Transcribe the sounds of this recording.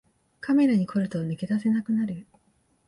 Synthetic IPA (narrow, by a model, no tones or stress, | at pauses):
kame̞ɾaɲ̟ikʰo̞ɾɯ̟t̪onɯke̞d̪ase̞nakɯ̟naɾɯ